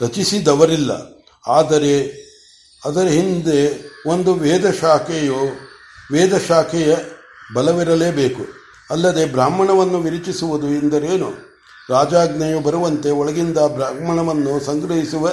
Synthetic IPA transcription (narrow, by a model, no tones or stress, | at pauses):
ɾɐt͡ʃisid̪ɐʋɐɾilːɐ̰ | aːd̪ɐɾe̞ | ɐd̪ɐɾɦind̪e̞ond̪uʋɛːd̪ɐʃaːkɛjo | ʋɛːd̪ɐʃaːkʰɛjɐ | bɐlɐʋiɾɐle̞ːbeːku | ɐlːɐd̪e̞bɾaːmːɐɳɐʋɐnːuʋiɾit͡ʃisuʋud̪uind̪ɐɾeːnu | ɾaːd͡ʒaːɡnɐjubɐɾuʋɐnt̪e̞ɔɭɐɡind̪ɐbɾaːmɐɳɐʋɐnːusɐŋɡɾɐɦisuʋɐ